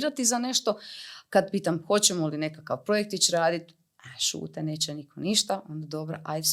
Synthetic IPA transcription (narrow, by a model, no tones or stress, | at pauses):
ɾat̪izane̞ʃt̪o̞kad̪̚piːt̪amxo̞t͡ɕemoiline̞kakaʋpɾo̞jek̚t̪it͡ɕɾaːd̪it̪ | aʃṵːt̪eneːt͡ɕenikʰo̞niʃt̪ao̞nd̪ad̪o̞bɾaʔajd̪s